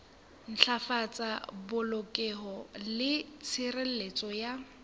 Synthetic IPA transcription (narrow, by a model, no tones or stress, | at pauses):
n̩ɬʰafat͡sʼabʊlokʼɛɦɔlɪt͡sʰɪrel̩let͡sʼɔja